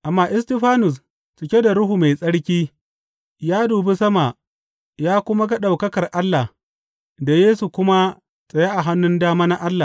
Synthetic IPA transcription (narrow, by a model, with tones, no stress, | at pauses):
ʔa˨mːaː˦ʔɪ˦sti˦ɸaː˦nʊ˨s̬ | t͡ʃɪ˨kʲe˦da˨ɽʊ˦ɦu˨ma˨jsʼɐ˦ɽkʲiː˦ | jaː˦duː˨be˦sɐ˦ma˨ | jaː˦kʷʊ˦ma˦ɡɐ˦ɗa˨wkɐ˦kɐ˨rʔa˦lːa˨ | da˨jeː˦su˨kʷʊ˦ma˦ | sʼɐ˨ja˦ʔa˨ɦa˦nːʊ˦ndaː˦maː˦na˦ʔa˦lːa˨